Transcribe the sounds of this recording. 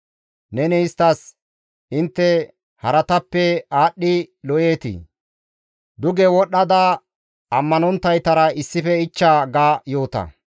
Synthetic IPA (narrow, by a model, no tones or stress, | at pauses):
nɛnɛɪst̪ːɐs | ɪnt̪ːɛ | hɐɾɐt̪ɐpːɛaːɗːɪlɔʔeːt̪ɪ̰ | d̪ʊɡɛwɔɗːɐd̪a | ɐmːɐnɔnt̪ːɐjt̪ɐɾɐɪsːɪfɛɪt͡ʃːaːɡaːjo̞ːt̪ɐ̰